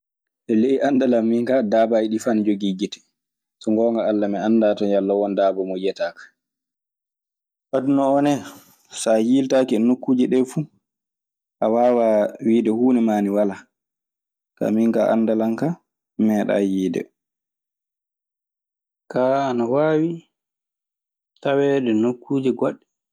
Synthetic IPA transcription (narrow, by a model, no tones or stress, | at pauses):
ʔɛleiʔandalamːiŋkadaːbajiɗifand͡ʒoɡiɡitɛ̥ | sɔŋɡɔːŋɡaalːamɛandatɔjalːawɔndaːbɔmɔjɛtaːkḁ | ʔadunɔɔnɛ | sajiltakiɛnokːuːd͡ʒiɗɛfu | ʔawaːwawiːdɛhuːnɛmaːniwala | ka̰miŋkaʔa̰ndalaŋka | mɛːɗa̰jiːdɛ̰ | kaːanawaːwi | tawɛːɗɛnokːuːd͡ʒɛɡɔɗːɛ